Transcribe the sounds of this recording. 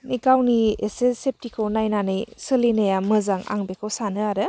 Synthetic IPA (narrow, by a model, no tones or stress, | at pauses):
nikawniesesep̚tikʰownajnanɯjsɯlinajamɯzaŋa̰ŋbekʰɯwsanɯaɾɯ